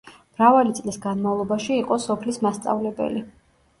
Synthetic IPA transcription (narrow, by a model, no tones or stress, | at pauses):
mɾavalit̪sʼlisɡanmavlˠɔbaʃiːqʼɔsɔpʰlismast̪sʼa̰vlɛbɛ̰li